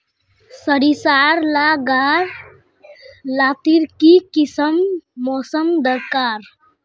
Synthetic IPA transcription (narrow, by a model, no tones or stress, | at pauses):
səɽisaɾlaɡaɾ | lat̪iɾkikisəmːɔsəmd̪əɾkaɾ